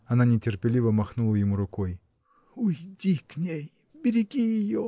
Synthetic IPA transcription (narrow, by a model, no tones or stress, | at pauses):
ɐnanʲɪtʲɪrpʲɪlʲivəmɐxnulˠəjɪmuɾʊkoj | ʊjdʲiknʲej | bʲɪɾʲɪɡʲijɪjo